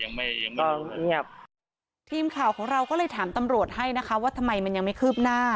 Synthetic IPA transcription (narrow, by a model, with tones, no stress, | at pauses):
ja˧ŋma˥˩a˧ŋɔ˧ɲi˦˥˩ɐp̚ | t̪ʰiː˧mkʰaː˨˩wkʰɔː˩˦ŋɾa˧wkɔː˥˩lɤː˧jt̪ʰaː˩˦mt̪a˧mɾu˨˩ət̪̚ha˥˩jna˦˥kʰa˦˥waː˥˩t̪ʰa˧mːa˧jma˧nja˧ŋma˥˩jkʰɯː˥˩p̚naː˥˩